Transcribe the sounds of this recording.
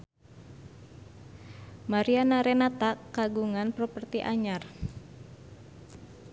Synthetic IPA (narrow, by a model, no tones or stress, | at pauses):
maɾianaɾenat̪akːaɡuŋanpɾopərt̪iʔaɲar